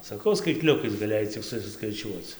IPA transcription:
sɐˈkɐʊ skɐɪtʲˈlʲʊkɐɪs ɡɐˈlʲeːjɛɪ t͡sʲɪk sʊsʲɪskɐɪˈt͡ʃʲuɔt͡s

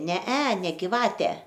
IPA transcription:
ˈnʲɛ ɛ ˈnʲɛ ɡʲɪˈʋɑːtʲɛ

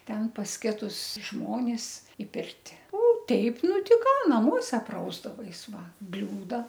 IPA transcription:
ˈtʲɛn pɐs ˈkʲɪtʊs ˈʒmoːnʲɪs ɪ ˈpʲɪrʲtʲɪ oː ˈtʲɛɪp ˈnʊ ˈtʲɪ ˈkɑː nɐˈmuɔsʲɛ ˈprɐʊzdɐʋɐɪs ˈʋɐ ˈbʲlʲuːdɐ

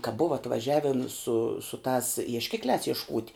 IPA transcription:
kɐ ˈbʊʋɐ ɐtʋɐˈʒʲæːʋʲɪn sʊ sʊ tɑːs iɛʃʲˈkʲɪklʲæːs iɛʃˈkuːtʲ

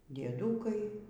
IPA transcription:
dʲiɛˈduːkɐɪ

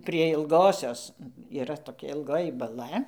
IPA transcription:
pʲrʲiɛ ɪlˠˈɡoːsʲoːs iːˈrɐ toːˈkʲɛ ɪlˠˈɡoːjɪ bɐˈlˠɐ

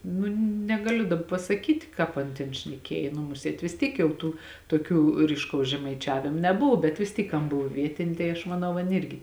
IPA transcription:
ˈnʊ nʲɛɡɐˈlʲʊ dɐp pɐsɐˈkʲiːtʲ ˈkɑːp ɐn ˈtʲeːn ʃʲnʲɛˈkʲeːj nʊ ˈmʊsʲeːt ʋʲɪs ˈtʲiɛk jɛʊ ˈtuː toːˈkʲuː rʲiːʃˈkɐʊs ʒʲɛmɐɪˈt͡ʃʲæːʋʲɪm nʲɛˈboːw bʲɛt ʋʲɪs ˈtʲiːk ˈɐn ˈboːw ˈʋʲiɛtʲɪnʲeː tɐɪ ɐʃ mɐˈnɐʊ ˈɐn ˈɪrʲɡʲɪ

